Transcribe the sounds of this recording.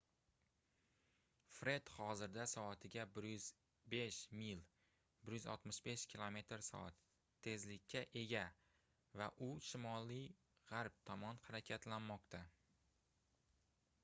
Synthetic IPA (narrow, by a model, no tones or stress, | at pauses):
fɾe̞d̪χɒzɪɾd̪asɒːt̪ʰɪɡʲabɪɾjʏz | be̞ʃmil | bɪɾjʏzɒ̰t̪mɪʃbe̞ʃkʲʰilˠome̞t̪ɾsɒ̰at̪ʰː | e̞zlɪkʲːaʔe̞ɡʲa | vaʔʊʃɪmɒli | ʁaɾp̚t̪ʰɒmɒnhaɾakʲʰat̪lanmɒqt̪ʰa